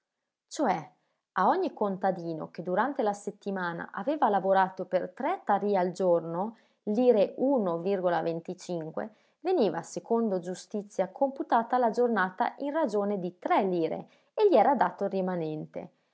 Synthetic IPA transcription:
t͡ʃoɛ | aɔɲːikont̪ad̪iːno̰k̟ed̪uɾant̪elaset̪ːimaːna̰ʔaveːvalavoɾaːt̪opert̪ɾɛt̪ːaɾiːald͡ʒorno | liːɾeuːnovirɡolavent̪it͡ʃiŋkwḛ | veniːvasekond̪od͡ʒust̪it̪sːjakʰomput̪aːt̪aːlad͡ʒornaːt̪a̰ʔinrad͡ʒoːned̪it̪ɾɛlːiːɾḛ | eʎːiɛːɾad̪aːt̪orimanɛnt̪ḛ

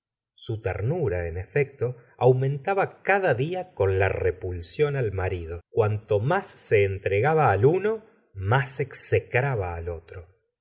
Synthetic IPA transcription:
sut̪ḛɾnuɾaenefek̚t̪o̞awmẽ̞nt̪aβakaðaðiako̞nla̰repulsjo̞nalmaɾiðo̞kwant̪o̞masːe̞ːnt̪ɾeɣaβaːluno̞ | masekssekɾaβaːlo̞t̪ɾo

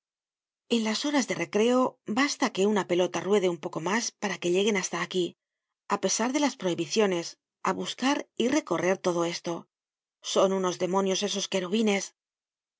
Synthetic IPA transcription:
e̞nlaso̞ɾazðe̞re̞kɾe̞o̞bast̪ake̞unape̞lo̞t̪arwe̞ð̞eumpo̞ko̞maspaɾake̞ʎe̞ɣe̞nast̪aːki | ape̞saɾðe̞laspɾo̞iβiθjo̞ne̞s | aβuskaɾire̞ko̞re̞ɾt̪o̞ð̞o̞e̞st̪o̞ | so̞nuno̞zðe̞mõ̞njo̞se̞so̞skeɾuβine̞s

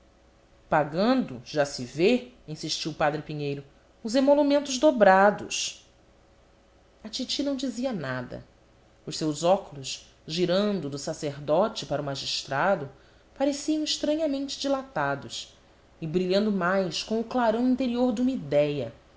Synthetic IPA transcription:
paɡɐ̃nd̪ʊʒasɪveĩsiʃt͡ʃiwʊpad̪ɾɪpiɲejɾʊ | ʊzemolumẽnt̪ʊzd̪obɾad̪ʊs | ɐt͡ʃit͡ʃinɐ̃w̃d͡ʒiziɐnad̪ɐ̰ | ʊʃsewzɔkulʊs | ʒiɾɐ̃nd̪ʊd̪ʊsaseɾd̪ɔt͡ʃɪpaɾʊmaʒiʃt̪ɾad̪ʊ | paɾesiɐ̃w̃iʃt̪ɾɐ̃ɲɐmẽnt͡ʃɪ̥d͡ʒilat̪ad̪ʊs | ɪbɾiʎɐ̃nd̪ʊmajskõʊklaɾɐ̃w̃ĩnt̪eɾioɾd̪ũmid̪ɛjɐ

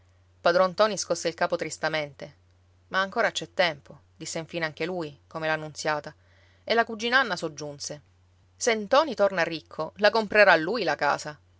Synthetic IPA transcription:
pad̪ɾɔnt̪ɔːniskɔsːeilkaːpot̪ɾist̪ament̪e | maːŋkoːɾat͡ʃɛt̪ːɛmpʰo | d̪isːeiɱfiːneaŋk̟elujkomelanːunt̪sjaːt̪a | elːakud͡ʒːinanːasod͡ʒːunse | sent̪ɔːnit̪ornarːikʰːolakompɾeɾalːuːjlaka̰ːsa

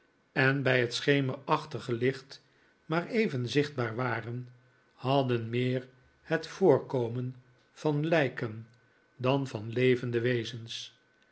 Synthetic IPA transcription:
ɛnbɛjɦətsχejməɹɑχtəχəlɪχt | maːɹejvənzɪχd̚baːɹʋaːrən | hɑdənmɪːɹ | hətfʊːɹkowmən | v̥ɑnlɛjkən | dɑnvɑnlejvəndəʋeɪzəns

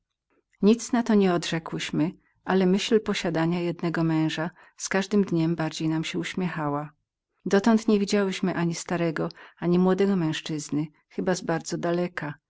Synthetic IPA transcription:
ɲit̪snat̪ɔɲɛɔd̪ʐɛkwɘɕmɘ | ʔalɛmɘɕlpɔɕad̪aɲajɛd̪nɛɡɔmɛ̃w̃ʐa | skaʐd̪ɘmd̪ɲɛmbaɾd͡ʑejnamɕɛuɕmʲjɛxawa | d̪ɔt̪ɔnt̪ɲɛvʲid͡ʑawɘɕmɘʔaɲist̪aɾɛɡɔaɲimwɔd̪ɛɡɔmɛ̃ʂt͡ʂɘznɘ | xɘbazbaɾd̪zɔd̪alɛka

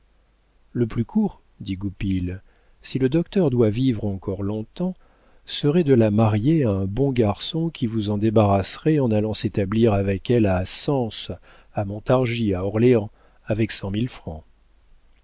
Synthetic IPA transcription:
ləplykʰuʁ | d̪iɡupil | siləd̪ɔkt̪œʁd̪wavivʁɑ̃kʰɔʁlɔ̃t̪ɑ̃ | səʁɛd̪əlamaʁjeaɛ̃bɔ̃ɡaʁsɔ̃kʲʰivuzɑ̃d̪ebaʁasʁɛɑ̃nalɑ̃set̪abliʁavɛkɛlasɑ̃s | amɔ̃t̪aʁʒiaɔʁleɑ̃ | avɛksɑ̃milfχɑ̃

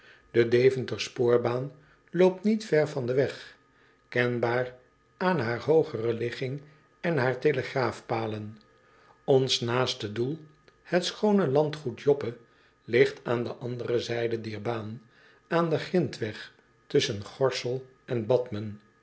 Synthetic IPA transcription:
d̥ədejvəntəspʊːɹbaːn | lowp̚tnitfɛɹvɑndəʋɛχ | kɛnbaːɹ | aːnɦaːɹɦowχərəlɪχɪŋ | ɛnɦaːɹteləχraːfpaːlən | ɔnsnaːstədulˠ | hɛtsχownəlɑntχutjɔpə | lɪχtʰaːndəʔɑndərɾəzɛjdədɛɹbaːn | aːndəχrɪntʋɛχ | tɵsənχɔɹsəlˠ | ʔɛnbɑtmən

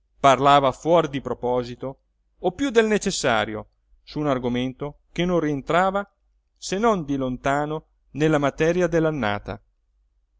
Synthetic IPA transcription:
parlaːvafwɔɾd̪ipɾopɔːzit̪oː | pːjud̪elnet͡ʃesːa̰ːɾjo | suːnarɡoment̪okenːõrient̪ɾaːva | senond̪ilont̪aːno | nelːamat̪ɛɾjad̪elːanːa̰ːt̪a̰

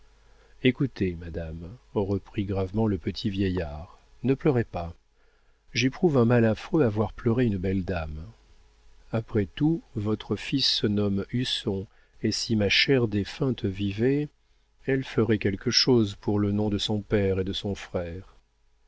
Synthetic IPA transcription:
ekut̪emad̪amʁəpχiɡʁavmɑ̃ləpət̪ʰivjɛjaːʁ | nəplœʁɛpa | ʒepχuvɛ̃malafχøavwaʁplœʁeynbɛld̪am | apχɛt̪uvɔt̪χəfisːənɔmysɔ̃ | esimaʃɛʁd̪efɛ̃t̪əvivɛ | ɛlfəʁɛkʲɛlkəʃozpuʁlənɔ̃d̪əsɔ̃pɛʁed̪əsɔ̃fχɛːʁ

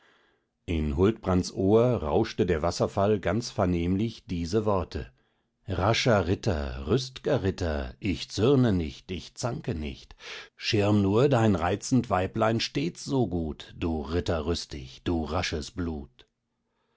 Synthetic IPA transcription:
ʔɪnɦʊltb̥ʁantsʔoːɐʁa̰ʊʃtədeːɐvasɐfalɡant͡sfɛɐneːmlɪçd̥iːzəvɔɐtʰə̰ | ʁaʃɐʁɪtʰɐ̰ʁʏstɪɡ̥ɐʁɪtɐʔɪçt͡sʏʁnənɪçtɪçt͡saŋkənɪ̰çtʃɪʁɐmnuːɐdaɪnʁaɪt͡sn̩tv̥aɪplaɪnʃteːt͡sz̥oːɡuːtd̥uːʁɪtɐʁʏstɪ̰çd̥uːʁaʃəsb̥luːt

